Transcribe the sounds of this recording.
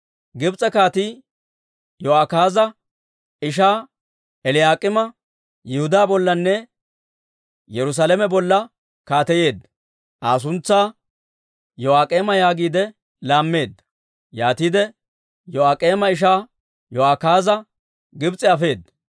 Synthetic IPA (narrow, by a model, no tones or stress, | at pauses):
ɡɪbt͡sʼɛkaːt̪iː | jɔaːkaːzɐ | ɪʃ̬aː | ɛlɪjaːkʼɪmɐ | jɪhʊd̪aːbɔlːɐnːɛ | jɛɾʊs̬aːlɛmɛbɔlːɐ | kaːt̪ɛje̞ːd̪ɐ | ʔaːs̬ʊnt͡sːaː | jɔaːkʼe̞ːmɐjaːɡiːd̪ɛ | laːmːe̞ːd̪ːɐ | jaːt̪iːd̪ɛ | jɔaːkʼeːmɐɪʃ̬aː | jɔaːkaːzɐ | ɡɪbt͡sʼɛɐfe̞ːd̪